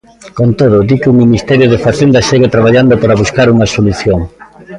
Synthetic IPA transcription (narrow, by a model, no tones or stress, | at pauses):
kont̪oð̞ʊd̪ikuŋminist̪ɛɾjoðefaθend̪aʃeɣet̪ɾaβ̞aʎand̪opaɾaβuskaɾuŋasoluθjoŋ